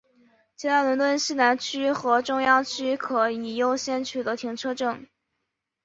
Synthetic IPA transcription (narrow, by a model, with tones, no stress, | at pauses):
t͡ɕʰi˧˥a˥˩lə˧˥nt̪wə˥˧nɕ̩˥˩na˧˥nt͡ɕʰy˥xɤ˧˥ʈ͡ʂʊ˥ŋjɑ˥ŋt͡ɕʰy˥kʰɤ˧˥i˨˩jo˥˧ʊɕjɛ˥˧nt͡ɕʰy˥˩d̪ə˦˩t̪ʰi˧˥ŋʈ͡ʂʰɤ˥ʈ͡ʂɤ˥˩ŋ